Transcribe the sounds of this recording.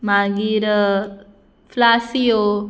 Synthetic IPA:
mãɡiɾ | flaːsijo

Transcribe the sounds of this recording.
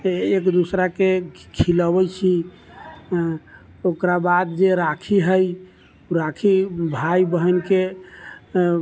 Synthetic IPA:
ekd̪usɾakekʰiləbəjt͡ʃʰi | okɾabad̪d͡ʒeɾakʰiɦəj | ɾakʰibʱajbəɦənke

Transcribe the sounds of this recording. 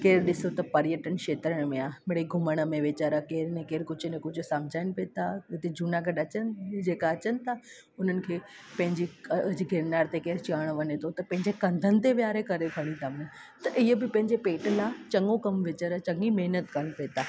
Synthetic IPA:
keːɾɗɪsot̪ɐpɐɾjəʈənkeːt̪ɾəɽ̃mẽaːmeɽeɡʱʊməɽ̃əmẽʋet͡ɕəɾəkeːɾnẽkeːɾkʊd͡ʑʰʱnẽkʊd͡ʑʱʊsɐ̃mbd͡ʑʱaːɪnɪpet̪aɪt̪ed͡ʑunaɡɐɖɐt͡ɕənd͡ʑeːkaɐt͡ɕənɪ̆t̪ʰa | ʊn̤ənɪ̆kʰeː | pɐ̃ɦɪ̃ɲd͡ʑiɐd͡ʑɡʱɪɾnaːɾt̪ekeːɾt͡ɕaːɽ̃ʋɐɲet̪ʰot̪ɐpɐ̃ɦɪ̃ɲd͡ʑekɐ̃nd̪ʱənɪ̆t̪eʋjaːɾekɐɾeɡʱɐɽ̃ĩt̪ʰaːm | t̪ɐʔɪɦəbɪpɐ̃ɦɪ̃ɲd͡ʑepeːʈlat͡ɕɐŋɡokɐmʋet͡ɕəɾət͡ɕɐ̃ŋɡimeɦnət̪kɐɾənɪpeːt̪aː

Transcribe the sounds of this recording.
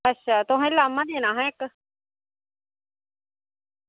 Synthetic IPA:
ətːʃʰaːt̪oɦãẽlaːmãd̪eːñãːɦãek

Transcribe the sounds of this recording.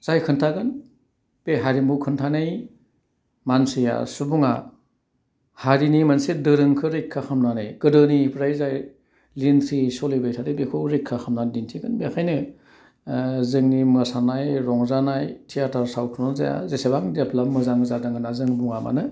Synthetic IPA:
z̥ajkʰɯntʰaɡɯn | b̥eɦaɾimbukʰɯntʰanɯj | manseja̰subuŋa | haɾinimansedɯɾɯŋkʰɯɾekʰːaxʰamnanɯjɡ̥ɯdɯnipʰɾajzaj | lintʰɾisɔlebajtʰadɯjbekʰɯwɾekʰːaxʰamnandintʰiɡɯnbekʰajnɯ | zɯŋnimɯsanajɾɔŋzanajtʰijatʰaɾsawkʰɯnɔzaja̰zesebaŋdepʰlamːɯzaŋɯzadaŋɯnazɯŋbuŋama̰nɯ

